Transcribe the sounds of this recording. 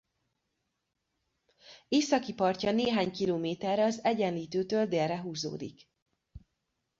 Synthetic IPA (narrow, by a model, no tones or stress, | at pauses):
eːsɒkipɒrcɒneːɦaːɲkiloːmeːt̪ɛrːɛɒzɛɟɛnliːt̪øːt̪øːld̪eːrrɛɦuːzo̰ːd̪ḭk